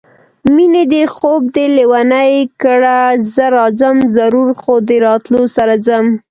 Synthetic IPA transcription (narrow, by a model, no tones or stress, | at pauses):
mined̪əxob̚d̪əlewanajkəɽazəɾɑzamzaɾuɾxod̪əɾɑt̪losaɾazəm